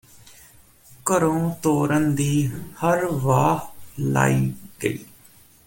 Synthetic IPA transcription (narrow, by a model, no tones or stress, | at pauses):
kəɾõːt̪oːɾənd̪iːhəɾʋaːla̰ːiːɡə̰ḭː